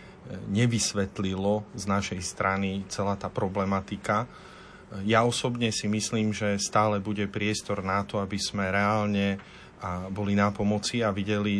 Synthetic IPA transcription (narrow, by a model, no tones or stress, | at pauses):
ɲɛʋisʋɛt̪lilɔznaʃɛjst̪ɾanit͡sɛlaːt̪aːpɾɔblɛmat̪ika | jaɔsɔbɲɛsimisliːmʒɛst̪aːlɛbuɟɛpɾɪɛst̪ɔɾnat̪ɔabiz̥mɛɾɛalɲɛ | abɔlinapɔmɔt͡siaʋiɟɛli